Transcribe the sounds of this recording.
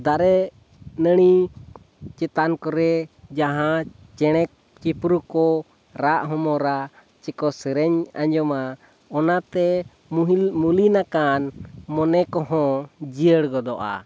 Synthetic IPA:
d̪aɾɛ | nəɽ̃i | t͡ʃɛt̪ankɔɾɛd͡ʒaɦãt͡ʃɛɽ̃ɛk̚ | t͡ʃipɾukɔ | ɾaʔɦɔmɔɾa | t͡ʃɛkɔsəɾɛɲa̰ɲd͡ʒɔma | ɔnat̪ɛ | mulinakanmɔnɛkɔɦɔ̃d͡ʒiəɽɡɔd̪ɔʔa̰

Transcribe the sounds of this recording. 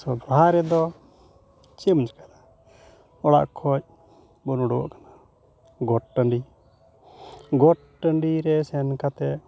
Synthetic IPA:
sɔbaɾɛd̪ɔ | t͡ʃɛmət͡ʃkad̪a | ɔɽa̰ʔkʰɔt͡ʃ̚ | bɔnɔɽɔ̰ʔkḁna | ɡɔʈ̚ʈəɳɖi | ɡɔʈ | ʈəɳɖiɾɛsɛnkat̪ɛ

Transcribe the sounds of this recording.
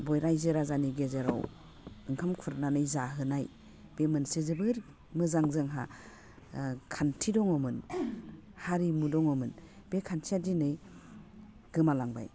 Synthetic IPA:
bɔjɾajzɯɾazaniɡezeɾɔ̰w | ɯŋkʰamkʰuɾananɯjzaɦɯnaj | b̥emɯnsezɯbɯɾ | mɯzaŋzɯŋɦa̰ | kʰantʰidɔŋɔmɯn | haɾimudɔŋɔmɯnb̥ekʰansʰiadinɯj | ɡ̥ɯmalaŋba̰j

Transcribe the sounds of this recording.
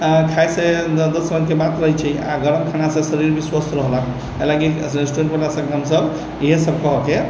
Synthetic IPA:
akʰajsed̪ət̪səməd̪kebat̪ɾəɦjt͡ʃʰɛa̰ɡəɾəmkʰanasẽsəɾiɾbiswəsɾəɦla | elaɡi | esʈuẽɳʈbəlasəɡnamsəb | iɦesəb̚kəɦɔke

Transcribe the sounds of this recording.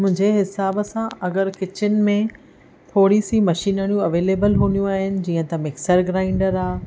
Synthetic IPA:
mʊ̃ɦɪ̃ɲd͡ʑeɦɪsaːbəsãɐɡəɾkɪt͡ɕɪnɪ̆mẽ | t̪ʰoːɽisimɐʃiːnəɽ̃jũɐʋeːleːbəlɦuːnijũaːɦɪnɪ̆d͡ʑiːə̃t̪ɐmɪksəɾɡɾaːɪ̃ɳɖəɾaː

